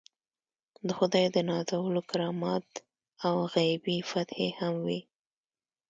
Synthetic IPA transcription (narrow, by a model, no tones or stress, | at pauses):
d̪əxʊd̪ɑjd̪ənɑzawəlokaɾɑmɑt̪ | awɣajbifat̪hehamwi